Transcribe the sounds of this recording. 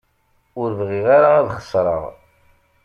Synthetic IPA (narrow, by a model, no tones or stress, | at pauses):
ʊɾəvʁiʁaɾaæðχə̥sˤɾˤə̰ʁ